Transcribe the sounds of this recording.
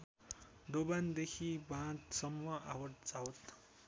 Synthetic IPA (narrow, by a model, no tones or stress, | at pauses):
d̪oband̪ekʰibãt̪sʌmːʌʔawʌʈd͡zawt̪